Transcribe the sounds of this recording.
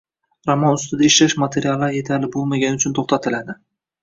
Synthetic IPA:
ɾamɒnʊst̪ɪd̪aɪʃlaʃmat̪ʰe̞ɾijalˠːaɾje̞t̪ʰalɪbolˠmaɡʲanɪʊt͡ʃʰʊnt̪ʰoχt̪ʰat̪ʰɪlad̪ɪ

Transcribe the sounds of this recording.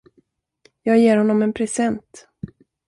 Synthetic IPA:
jɑːɡjeːɾhɔnːɔmɛnpʰɾɛsɛnt̪

